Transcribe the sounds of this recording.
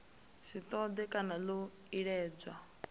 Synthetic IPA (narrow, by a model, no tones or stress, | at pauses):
sit̪ɔd̪ɛkʼanalo | iɺɛːd͡za